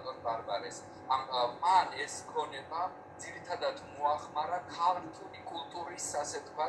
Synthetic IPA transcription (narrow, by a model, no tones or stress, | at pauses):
t̪ʼɔnbaɾbalɛs | amanɛskʰɔnɛba | d̪ziɾit̪ʰad̪ad̪ʰmuaχmaɾakʰalɾt̪ʰulikʼulˠt̪ʼuɾisasɛt̪ʰkʰwa